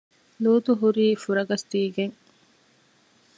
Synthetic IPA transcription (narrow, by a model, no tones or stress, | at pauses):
luːt̪uɦuɾiːfuɾɐɡɐst̪iːɡeŋ